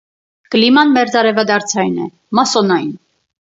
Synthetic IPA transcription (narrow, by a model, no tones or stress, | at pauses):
kəlimɑnmɛɾd͡zɑɾɛvɑd̪ɑɾt͡sʰɑjnɛ̰ | mɑsɔnɑjn